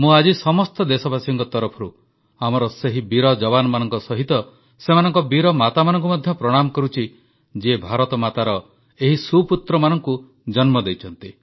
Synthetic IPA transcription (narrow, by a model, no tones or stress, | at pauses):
mũad͡ʒisɔmɔst̪ɔd̪esɔbasɔŋkɔt̪ɔɾɔpʰɔɾu | amɔɾɔseɦibiɾɔd͡ʒɔβanɔmanɔŋkɔsɔɦit̪ɔ | semanɔŋkɔbiɾɔmat̪amanɔŋk̬umɔd̪ʱjɔpɾɔɽ̃amɔkɔɾut͡ʃʰi | d͡ʒebʱaɾɔt̪ɔmat̪aɾɔ | eɦisuput̪ɾɔmanɔŋku | d͡ʒɔnmɔd̪ejt͡ʃʰɔnt̪i